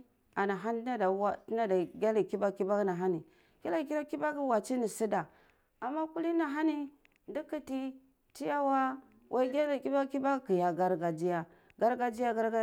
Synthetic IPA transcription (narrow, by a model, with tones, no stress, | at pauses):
a˨na˨ɦa˦n˦na˦da˨wa˦ti˦na˦da˨ɡa˦li˨ki˦ba˦ki˦ba˦ɡna˨ɦa˦ni˨ | ɡ̥a˦la˦˨ki˦la˦ki˦ba˦ɡwa˨t͡ʃi˦ni˨si˦da˨ | a˨mːa˦ku˦li˦na˨ɦa˦ni˦ | ndi˦ki˦ti˦ | ti˦ja˦wa˦ | wʔa˦i˦ɡa˦li˨ki˦ba˦ki˦ba˦ki˨ja˨ɡa˦ɾɡa˨d͡ʒi˦ja˨ | ɡa˦ɾɡa˦d͡ʒi˦ja˦ɡa˦ɾa˦